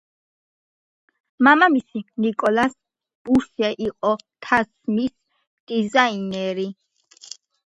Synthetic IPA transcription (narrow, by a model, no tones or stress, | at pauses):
mamamisinikʼɔlas | b̥uɾsiaʔiqʼɔt̪ʰasmis | d̪̥izainɛɾi